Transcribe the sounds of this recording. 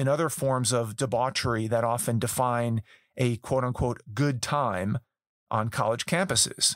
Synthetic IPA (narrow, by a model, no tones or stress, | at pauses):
ɨ̃nʌðə˞fɔɹmzʌvdəbɑt͡ʃə˞iðɨɾɑfɨ̃ndɨfãɪ̃n | ʔɨkʰw̥oʊɾə̃n̩kʰw̥oʊt̚ɡ̥ʊd̚tʰãɪ̃m | ʔə̃nkʰɑ̰lˠəd̥ʒ̥kʰæ̃mpɨsɪ̰z̥